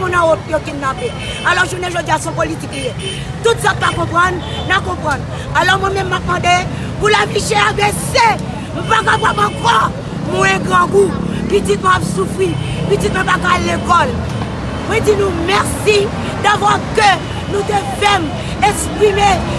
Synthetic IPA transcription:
mũnãot̪jokinapɛ | alɔʁʒunɛ̃ʒoɡiasɔ̃politiklije | t̪ut̪sãt̪̚pakɔ̃pʁɑ̃nː | akɔ̃pʁɑ̃n | alɔʁmw̃ɛ̃mɛ̃mːap̚mɑ̃d̪e | pulafiʃeabese | m̩̃pakapapãkɔ | m̃ɛ̃ɡʁãɡu | pitit̪̚m̃apsufʁi | pitit̪̚mwɛ̃pakalekɔl | mwɛ̃d͡zinũmɛʁsi | d̪avwakø | nũt̪efɛm | ɛkspʁime

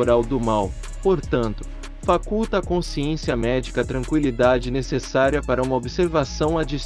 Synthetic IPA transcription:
ɾawd̪ʊmaw | poɾt̪ɐ̃nt̪ʊ̥ | fakuwt̪ɐːkõsiẽsiɐmɛd͡ʒikɐt̪ɾɐ̃ŋkwilid̪ad͡ʒɪnesesaɾiɐpaɾɐũmɐobiseɾvasɐ̃w̃ad͡ʒis

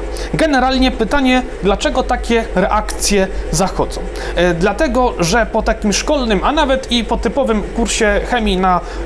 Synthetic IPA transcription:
ɡɛnɛɾalɲɛpɘt̪aɲɛ | d̪lat͡ʂɛɡɔt̪akʲɛɾɛʔakt̪sʲjɛzaxɔd̪zɔ̃w̃d̪lat̪ɛɡɔʐɛpɔt̪akʲimʂkɔlnɘmanavɛt̪ipɔt̪ɘpɔvɘmkuɾɕɛxɛmʲina

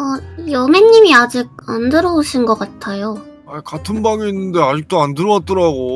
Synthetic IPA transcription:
ʌjʌme̞nːimiad͡ʑiɡ̚andɯɾʌoɕʰinɡʌk͈atʰajo | akatʰɯnbaŋiːnːɯnde̞ad͡ʑik̚t͈oandɯɾʌwat̚t͈ʌɾaɡo

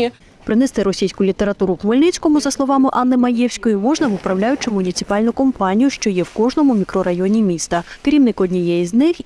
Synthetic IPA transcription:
pɾɪnɛst̪ɪɾɔsʲijsʲkʊlʲit̪e̞ɾɐt̪uɾʊkmɔlʲnɪt͡sʲkɔmʊzɐslˠɔʋɑmɪʔɑnːɪmɐjɛwsʲkɔjʊmɔʒnɐʋʊpɾɐwlʲajʊt͡ʃɪmʊnʲit̪sɪ̥pɑlʲnʊkɔmpɑnʲijʊʃt͡ʃɔjɛwkɔʒnɔmʊmʲikɾɔɾɐjɔnʲimʲist̪ɐkɾʲimnɪkɔdʲnʲijɛjiznɪx

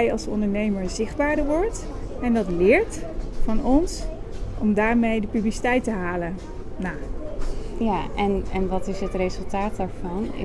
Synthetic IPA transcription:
jɑlˠsɔ̰ndəɹnejməɹzɪχdbaːɹdəɹʋɔɹt | ɛndɑtlɪːɹtfɑnɔns | ɔmdaːɹmejdəpyblisi̥tɛjtəɦaːlə | naː | jaɛnɛnʋɑtɪsɦətrezɵlˠtaːt̚daːɹvɑnɪ̰

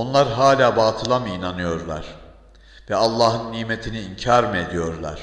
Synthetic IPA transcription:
o̞nlˠaɾɦaːlʲaːbaːt̪ʰɯlˠaminanɯjo̞ɾlˠa̰ɾ̥ | vɛalˠːaːɦɯnːiːmet̪ʰiniːɲcʰaːɾmɯed̪ijo̞ɾlˠa̰ɾ̥

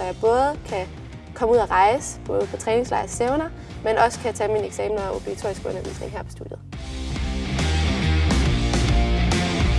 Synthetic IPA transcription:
sɒ̽jɑ̈ɪb̥ɔ̽ːð̞̩ˠkʰæ | kʰɒ̽muð̞̰ˠɐʁɑ̈ɪsəb̥ɔ̽ːð̞̩ˠpʰɒ̽t͡sʰʁɛːne̝ŋslɑ̈ɪsseʊnɐ | menʔɒ̽sə̥kʰæt͡sʰɛmineɡ̥sɛːmnɐo̝b̥liɡ̥æt͡sʰo̝ɐ̰isɡ̥ɔ̽nɐʋḭːsne̝ŋɦæɐ̰pʰɒ̽sd̥ud̥jəð̩ˠ

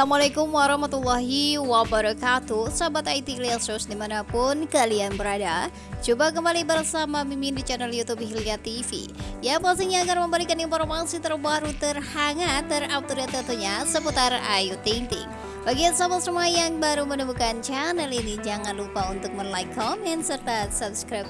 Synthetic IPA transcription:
amalakʊmwaɾɑhmat̪ulːaɦiwabaɾɔkat̪usabat̪ait̪ilɛlsusdimanapʊnkalianbəɾada | t͡ʃubak̬əmbalibərsamamimindit͡ʃanəljut̪ubhiliat̪ifḭjapasiŋɲaːɡarməmbəlikaninfɔrmasit̪ərbaɾut̪ərhaŋat̪ːəraw̚t̪uɾiat̪ənt̪uɲasəput̪ara̰jut̪iŋt̪ɪ̰ŋ | baɡiansabat̪̚səmuajaŋbaɾumənəmbukant͡ʃanɛlinid͡ʒaŋanlupaunt̪ʊk̚mənlajkʰːɔmɛnsərt̪asap̚skɾap̚

